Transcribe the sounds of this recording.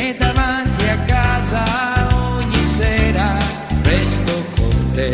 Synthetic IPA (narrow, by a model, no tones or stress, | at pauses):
ed̪avant̪iakːazaoɲːisɛːɾa | pɾɛst̪okoɾt̪e